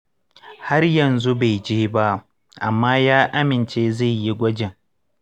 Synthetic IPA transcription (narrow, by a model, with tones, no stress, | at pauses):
ha˦rjɐ˨nzu˦ba˨jd͡ʒeː˦ba˦ʔ | ʔa˨mːaː˦jaː˦ʔa˦mɪ˨nt͡ʃeː˦za˦˨ji˦ɡʷɐ˦d͡ʒɪ˨ŋ